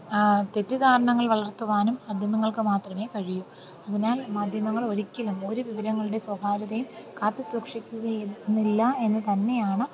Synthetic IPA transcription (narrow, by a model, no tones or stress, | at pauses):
t̪e̞tːɨkaːɾɐɳɐŋːɐɭʋɐɭɐrt̪ːuʋaːnumɐd̪ʱjɐmɐŋːɐɭkɨmaːt̪rɐme̞ːkɐɻijum | ɐðinaːlmaːd̪ʱjɐmɐŋːɐɭoɾikʲːɐlumo̞ɾuʋiʋɐɾɐŋːɐɭuɽe̞swɐb̪ʱaːɾɐðɐjumkaːt̪ːɨswɐkʂikʲːuɣɐjnːilːɐe̞nːɨt̪ɐnːe̞jaːɳɨ